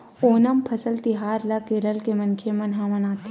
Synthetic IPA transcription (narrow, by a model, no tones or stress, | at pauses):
oːnɐmpʰɐsəlt̪ɪɦaːɾlɐkeːɾəlkemɐ̃nkʰemɐnɦaːʋɐnaːt̪ʰ